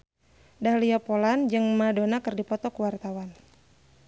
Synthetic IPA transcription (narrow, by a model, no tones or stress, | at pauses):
dahliapoland͡ʒɨŋmadonakərdipɔt̪ɔkuwart̪awan